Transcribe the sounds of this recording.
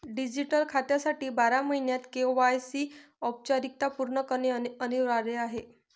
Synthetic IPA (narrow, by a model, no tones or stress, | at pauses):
ɖid͡ʑiʈəlkʰat̪jasaʈiːbaɾaməɦinjat̪keoʋajsiː | ɔp̚t͡ɕaɾik̚t̪apuɾɳəkəneəniʋɾaɾeaɦe